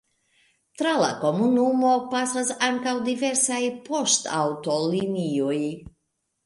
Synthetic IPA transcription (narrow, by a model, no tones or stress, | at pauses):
t̪ɾala̰komunumopasasaŋkawd̪iveɾsajpo̞st̪a̰wt̪olinioj